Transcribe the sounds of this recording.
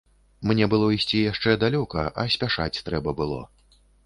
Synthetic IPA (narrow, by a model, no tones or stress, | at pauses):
mnʲɛbɨlˠɔisʲt͡sʲijaʂt͡ʂɛd̪alʲɔkɐʔɐ̰sʲpʲaʂa̰t͡sʲt̪ɾɛbɐbɨlˠɔ̰